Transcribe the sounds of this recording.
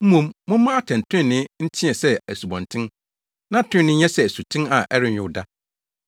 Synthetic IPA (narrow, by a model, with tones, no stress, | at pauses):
m̩˦mũ˦mmʊ̃˦mã˦a˦tʰã˨n˨tʰʊ˦ɪ̃˦˨nɪ̃˦n̩˦tʰɪ̃˦ɛ˨sɛ˦æ˨su˨bɔ̃˨ntʰɪ̃˦n | nã˦tʰɪ̃˦nːɪ̃˦ɲɛ˦sɛ˨æ˨su˨tʰɪ̃˦na˨ʔɛ˦ɾɪ˦ɲᶣʊ̃˦˨da˦